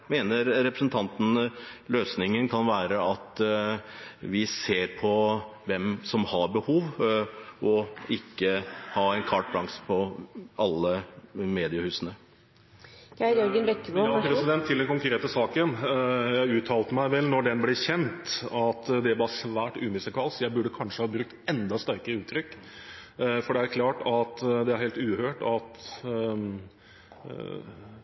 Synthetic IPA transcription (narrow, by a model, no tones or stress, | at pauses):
meːnəɾɾɛpɾəsənt̪ʰɑnt̪n̩løːsnɪŋənkʰɑnʋæːɾəɑt̪ | ʋɪseːɾpʰɔʋɛmsɔmhɑɾbəhuːʋ | ɔɪkːəhɑːɛɪnkʰɑʈ̚bɾɑŋspʰɔɑlːəmeːd̪ɪəhʉːsənə | æjɔɾɡənbɛkːboɑpʰɾɛsɪd̪ɛnt̪ʰːɪlɛnkʊŋkɾeːt̪əsɑːkənjæɪʉːt̪ʰːɑːlt̪əmæɪʋɛlnɔɖɛnblɪçɛnt̪ɑt̪d̪ɛbɑːɾsʋæːʈʉ̰ːmɪsəkʰɑlsjæɪbʉɖːəkʰɑnʂəhɑːbɾʉk̚t̪ɛnd̪ɑst̪æɾkəɾəʉːt̪ʰɾʏkː | fɔɖɛæɾkʰlɑːʈɑt̪d̪ɛæɾheːlt̪ʉːhøːʈɑt̪